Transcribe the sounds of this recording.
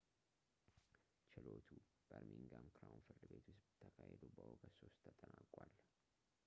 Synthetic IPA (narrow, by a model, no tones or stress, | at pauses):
t͡ʃɪlot̪ʰu | b̥əɾmiŋɡamkʰɾawunfɨɾd̪ɨbe̞t̪ʰust̪t̪ʰːəkʰahed̪əwbəhokʰəso̞st̪ʰːət̪ʼənakʼwal